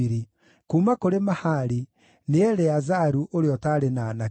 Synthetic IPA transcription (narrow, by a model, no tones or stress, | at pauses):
iɾi | kuːmakoɾemahaɾi | neɛɾɛazaɾuʔoɾeɔtaɾenana